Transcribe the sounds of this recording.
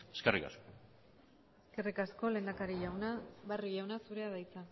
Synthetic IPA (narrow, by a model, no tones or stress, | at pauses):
e̥skerika̰sko | eske̞rikasko̞le̞nd̪akaɾiʎawnaβariʎawnasuɾe̞aðajt͡sa